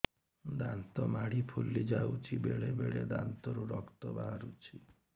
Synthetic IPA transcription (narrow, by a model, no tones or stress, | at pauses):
d̪ant̪ɔmaɽ̤ipʰulid͡ʒawt͡ʃʰibeɭebeɭed̪a̰nt̪ɔɾuɾɔkt̪ɔbaɦaɾut͡ʃʰi